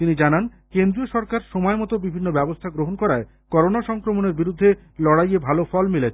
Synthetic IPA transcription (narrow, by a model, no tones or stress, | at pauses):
t̪inid͡ʑanan | kend̪ɾioʃɔɾkaɾʃɔmɔemɔt̪obibʱinːobɛbost̪ʰaɡɾoɦonkɔɾae | kɔɾonaʃɔŋkɾomoneɾbiɾud̪ʱːe | lɔɽajebʱalofɔlmilet͡ɕʰ